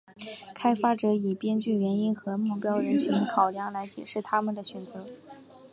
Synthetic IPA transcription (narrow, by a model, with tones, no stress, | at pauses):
kʰa˥ɪfa˥ʈ͡ʂɤ˧˥i˨˩pjɛ˥nt͡ɕy˥˩ɥɛ˧˥ni˥nxɤ˧˥mu˥˩pjɑ˥ʊɻə˧˥nt͡ɕʰy˧˥nkʰɑ˨˩ʊljɑ˧˥ŋla˧˥ɪt͡ɕjɛ˨˩ʂɻ̩˥˩t̪ʰa˥mə˨nd̪ə˩ɕɥɛ˨˩nt͡sɤ˧˥